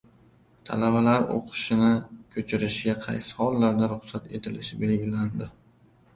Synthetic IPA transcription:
t̪ʰa̰labalaɾo̰qʰɨ̥ʃɪnɪkʲʰɵt͡ʃʰɪɾɪʃɡʲaqʰɑ̰jsɪ̥hɒlˠːaɾd̪aɾʊχsat̪e̞t̪ʰɪlɪʃɪbe̞lɡʲɪland̪ɪ

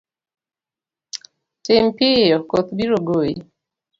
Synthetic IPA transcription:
tɪmpɪjɔkot̪biɾoɡoji

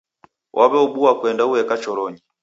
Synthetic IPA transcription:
wʔaβɛuɓuwakwɛndauɛkat͡ʃɔɾɔɲi

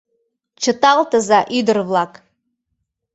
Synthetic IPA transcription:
t͡ʃʰɨtʼaltʰʼɨzaʔidɨrvlakʼ

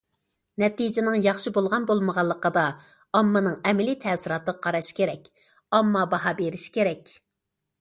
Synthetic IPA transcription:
nɛt̪id͡ʒɪnɪŋjɑχʃibolˠʁɑnbolˠməʁɑlˠːəqəd̪ɑ | ɑmːɨnɨŋɛmɪlit̪ʰɛsɪɾɑːt̪əʁɑqʰɑɾɑʃkʲeɾɛkʲ | ɑmːɑbɑɦɑbeɾiʃkʲeɾɛkʲ

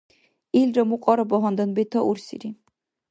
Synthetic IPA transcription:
ilɾɔmuqʼɔɾɔbɔɦɔnd̪ɔnbet̪ʰɔʔuɾsḭɾi

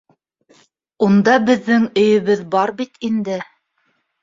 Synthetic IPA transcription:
und̪ɑbɘ̆ðːɘŋɵ̆jɵ̆βɘðbɑɾbit̪ind̪ɘ

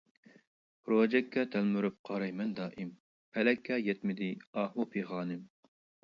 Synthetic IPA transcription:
ɾod͡ʒɛkʰːɑt̪ʰælmyɾyp̚qʰɑɾɑjmɛnd̪ɑːʔim | pʰɛlɛkʰːɑjɛt̪mɪd̪ɪɑːɦupʰeχɑːnɪm

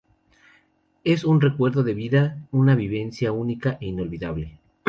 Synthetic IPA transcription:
e̞sunre̞kwe̞ɾðo̞ðe̞βiðaunaβiβe̞nsjaunikaʔeino̞lβiðaβle̞

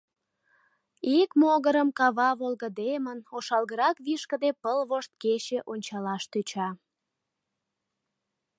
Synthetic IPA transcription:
ikmoɣəɾəmkɑβɑβolɣəd̪emənoʃɑlɣəɾɑkβiʃkəd̪epəlβoʃt̪̚ket͡ɕeʔonʲt͡ɕɑlɑʃt̪yt͡ɕɑ

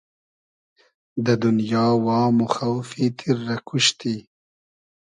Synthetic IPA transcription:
d̪əd̪ʊnjɑːwɑːmʊxawfit̪ʰɪɾːakʰuʃt̪i

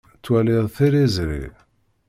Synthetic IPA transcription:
t͡sːwæliðˤθiɾizɾḭ

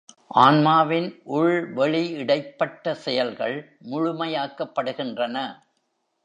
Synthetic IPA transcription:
ʔaːnmaːʋɪnʔʊɭʋɛɭiɪɽɐɪpːɐʈːɐsɛjɐlɣɐɭ | mʊɻʊmɐjaːkːɐpːɐɽɯɣɪndrɐnɐ

